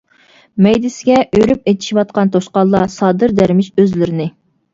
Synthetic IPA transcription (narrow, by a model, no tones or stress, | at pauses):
mɛjd̪ɪsɪɡʲɛʔøɾypet̪ʰi̥ʃiwɑt̪̚qɑnt̪ʰoʃqɑlˠːɑsɑːd̪ɨɾd̪æɾmɪʃøzlɪɾɪnɪ